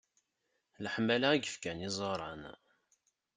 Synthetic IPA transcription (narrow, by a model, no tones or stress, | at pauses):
ləħmːælaæɡəfkænɪzˤəɾˤɑn